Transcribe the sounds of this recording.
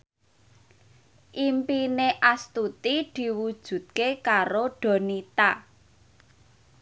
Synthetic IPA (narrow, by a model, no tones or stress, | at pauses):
ʔimpineʔast̪ut̪id̪̥i̤wud̥ʒ̥ṳt̪̚kekaɾoɖ̥ɔ̤nit̪a